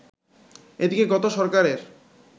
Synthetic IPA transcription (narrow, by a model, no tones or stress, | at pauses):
ed̪ikeɡɔt̪oʃɔɾkaɾeɾ